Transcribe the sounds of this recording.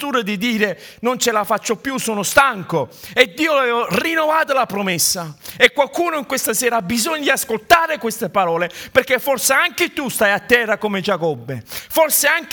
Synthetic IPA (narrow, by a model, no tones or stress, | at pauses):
t̪uːɾad̪id̪iːɾe | nont͡ʃɪlafat͡ʃːopːjusɔːnʊst̪aŋkoed̪ːiːovɛːvorinːovaːt̪olapɾomɛsːaekwalkuːnʊiŋkwest̪asɛːɾabːizɔɲːad̪iaskolt̪aːɾɪkwest̪epaɾɔːleperk̟ːefɔrsɪaŋkɪt̪ust̪ajat̪ːɛːrakomɪd͡ʒakɔbːefɔrsɪaŋk